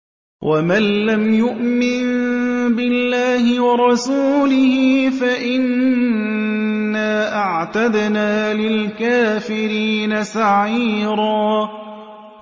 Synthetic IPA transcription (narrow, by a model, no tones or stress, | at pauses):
wʔamanlamjʊʔmɪnbɪlːaːhɪwɑɾˤɑsuːlɪhɪfaʔɪn | aːʔaʕt̪ad̪naːlɪlkaːfɪɾiːnasaʕiːɾɑː